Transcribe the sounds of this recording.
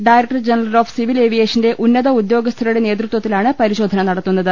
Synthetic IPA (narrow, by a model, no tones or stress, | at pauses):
ɖajɾek̚ʈɐrd͡ʑenɐrɐlo̞ːfsiʋileːʋijeːʂɐnde̞ʔʔunːɐðɐud̪jo̞ːɡɐst̪ʰɐɾuɽe̞neːt̪ɾut̪wɐt̪ːilaːɳɨpɐɾiɕo̞ːd̪ʱɐnɐnɐɽɐt̪ːunːɐðɨ